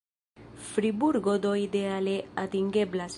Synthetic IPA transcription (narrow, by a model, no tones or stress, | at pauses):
fɾibuɾɡod̪oid̪ealeat̪iŋɡeblas